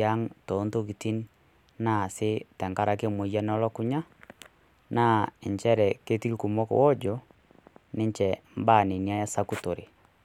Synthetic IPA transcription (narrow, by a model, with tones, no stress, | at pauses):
a˦ŋto˨˦nto˦k̬i˨ti˦n | na˦˨sɪ˦tɛ˨ŋka˦ɾa˨ke˦mo˨˦ja˦nɔ˦lɔ˦kʊ˦ɲa˦ | na˦ɪ˨ɲt͡ʃɛ˦ɾɛ˨ke˦ti˦kku˨mɔ˦kwɔ˦d͡ʒɔ˨ | nɪ˦ɲt͡ʃɛ˨m˦ba˦˨nɪ˨nja˦ja˦sa˦ku˦to˨ɾḛ˨